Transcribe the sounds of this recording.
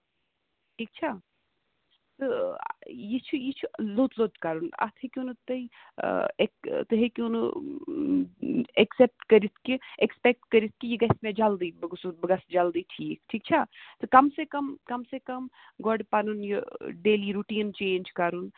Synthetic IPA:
ʈʰiːk̚t͡ʃʰa | t̪ɨ̰ | jit͡ʃʰujit͡ʃʰuloːt̪loːt̪kaɾuna̰t̪ʰekʲunɨt̪ɐḭ | ekt̪ɨɦekunɨ | eksep̚ʈkɐɾit̪ʰkiekspek̚ʈkɐɾit̪̚ʰkijiɡɐsmẽd͡ʒald̪iːbɐɡsubɐɡɐsd͡ʒald̪iʈʰiːkʈʰiːk̚t͡ʃʰat̪ɨkɐmsekɐmkɐmsekɐm | ɡɔɖpanunjiɖeːliɾuʈiːnt͡ʃeːnd͡ʒkaɾun

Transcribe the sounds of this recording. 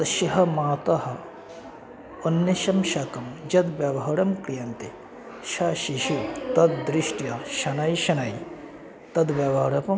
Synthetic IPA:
ʃiɦɐmaːt̪ɐhɐ̆ | ɐnːjɐʃɐmʃɐkɐmd͡ʒɐd̪ʋjɐʋɐɦɐɽɐmkɾijɐnt̪i | ʃaːʃiʃit̪ɐd̪d̪ɾiʃʈjɐʃɐnɐjʃɐnai | t̪ɐd̪ʋjɐʋɐɦɐɽɐpɐm

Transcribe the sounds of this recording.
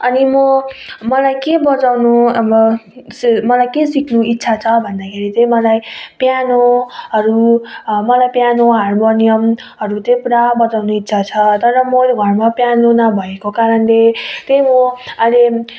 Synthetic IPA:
ʌnimʌmʌlajkebʌt͡sawnuʌbʌsmʌlajkesikʰnuit̪ːsʰat͡sʰʌbʱʌnd̪akʰeɾit̪emʌlajpjanoɦʌɾumʌlajpjanoɦarmonijʌm | ɦʌɾut̪epuɾabʌt͡sawnuit̪ːsʰat͡sʰʌt̪ʌɾʌmolɡʱʌrmapjanonabʱʌekokaɾʌnlet̪ejmoʌle

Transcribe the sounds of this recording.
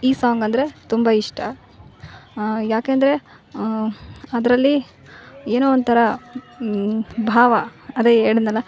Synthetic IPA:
iːsaːŋɡɐnd̪ɐɾe̞t̪umbɐiʂʈʰɐ | jaːkeːnd̪ɐɾe̞ | ɐd̪ɾɐlːi | eːnoːont̪ʰɐɾɐ | bʱaːʋɐɐd̪eɦeːɽid̪nɐlːɐ

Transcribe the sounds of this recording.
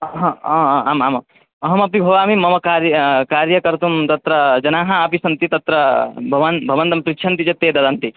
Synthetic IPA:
ɦɐ̃ɦaːmaːmɐ | ɐɦɐmɐpibʱɐʋaːmimɐmɐkaːɾjɐkaːɾjɐkɐɾt̪umt̪ɐt̪ɾɐd͡ʒɐnaːɦɐɐpisɐnt̪it̪ɐt̪ɾɐbʱɐʋɐnbʱɐʋɐnt̪ɐmsɾikʃʰɐnt̪it͡ʃɐt̪ːeːd̪ɐd̪ɐnt̪i

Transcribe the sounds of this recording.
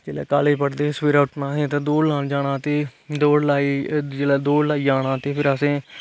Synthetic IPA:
d͡ʒeːlɛ̰ːkaːleːpəɽd̪eːsʋiːɾaːʊʈnãːsẽːt̪ãːd̪oːɽlaːnd͡ʒaːɽãːt̪eːd̪oːɽlaːiːd͡ʒeːlaːd̪oːɽlaːiːd͡ʒaːɽ̃aːt̪eːpʰɪɾəsẽː

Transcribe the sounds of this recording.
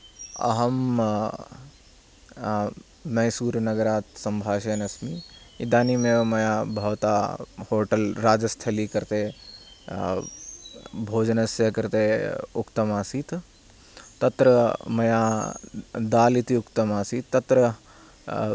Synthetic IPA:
ɐ̰ɦɐm | nɐjsuːɾnɐɡəɾaːt̪sɐmbʱaːʃɐːnɐsmi | id̪aːnimẽmɐjabʱɐːt̪ahoːʈɐlɾaːd͡ʒɐst̪ʰɐlikɐɾt̪e | bʱoːd͡ʒnɐsjɐkɐɾt̪eʊkt̪ɐmaːsiːt̪ | t̪ɐt̪ɾɐmɐja | d̪aːlit̪iukt̪ɐmaːsiːt̪ːɐt̪ɾɐ

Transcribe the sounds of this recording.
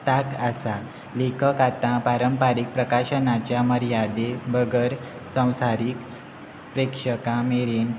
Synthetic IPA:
t̪akasa | lekʰəkat̪ãpaɾəmpaɾik̚pɾəkaɕənat͡ɕjaməɾjad̪ebəɡəɾ | sə̃w̃saɾik | pɾekʂəkãmeɾen

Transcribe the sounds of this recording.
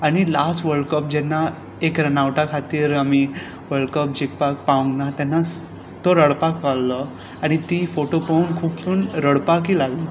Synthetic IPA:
aɽ̃ilasʋəɭkəp̚d͡ʑɛnːa | ekɾənaʋʈakʰat̪iːɾami | ʋəɭkəpd͡ʑikpak̚paʋə̃ŋɡnat̪ɛnːas | t̪oɾəɽpakːalːə | aɽ̃it̪ifoʈopaunkʰuːptuːnɾəɽpak̬iːlaɡli

